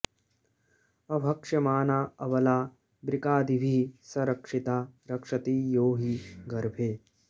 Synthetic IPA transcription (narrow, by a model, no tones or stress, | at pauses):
ɐbʱɐkʂɐmaːnaːɐʋɐlaː | bɾikaːd̪iʋʱiːsɐɾɐkʂit̪aːɾɐkʂɐt̪iːjoːɦiɡɐɾbʱeː